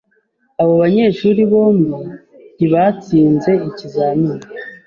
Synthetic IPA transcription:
aβo̞βaɲe̞ːʃuɾiβo̞ːmɡi | niβat͡siːnze̞icizanina

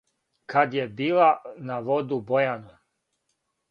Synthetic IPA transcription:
kad̪jebiːlanaʋod̪ubojanu

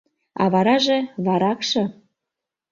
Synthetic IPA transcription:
ɑ̰βɑɾɑʒeβɑɾɑkʃɤ̆

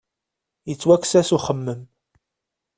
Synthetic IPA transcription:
jət͡sːwækːsæsuχəmːəm

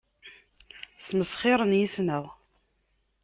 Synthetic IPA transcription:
sməsχɪɾˤənjisnəʁ

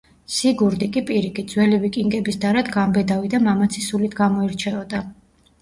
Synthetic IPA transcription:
siɡuɾd̪ikʼipʼiɾikit̪̚d̪zwɛlivikʼiŋɡɛbisd̪aɾad̪ɡambɛd̪avid̪amamat̪sʰisulit̪ʰɡamɔiɾt͡ʃʰɛɔd̪a

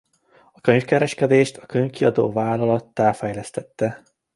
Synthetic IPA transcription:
ɒkø̞ɲfkɛɾɛʃkɛd̪eːʃt̪ʰɒkøɲkiɒd̪o̰ːvaːlɒlɒt̪ːaːfɛjlɛst̪ɛt̪ːɛ

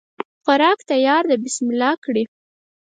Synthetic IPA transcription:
xaɾɑkt̪ajɑɾd̪əbɪsmɪlɑkɽi

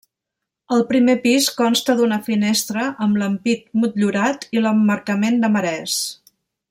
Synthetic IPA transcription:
əlˠpɾimepiskɔnst̪əðunəfinest̪ɾəʔəmləmpit̪̚mut̪ʎuɾat̪iləmːəɾkəmend̪əməɾɛs

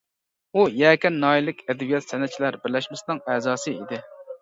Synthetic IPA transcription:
ujɛkʲɛnːɑːjilɪkʲɛd̪ɛbijɛt̪sɛnɛt̪t͡ʃʰilæɾbɪɾlɛʃmɪsɪnɨŋɛzɑːsɨid̪ɪ

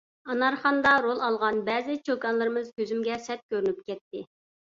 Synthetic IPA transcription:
ɑnɑɾχɑnd̪ɑɾolˠɑlˠʁɑnbɛːzɪt͡ʃʰokɑnlˠɨɾɨmɨzkʲøzymɡʲɛsɛt̪̚kʲøɾynyp̚kʲɛt̪ːɪ

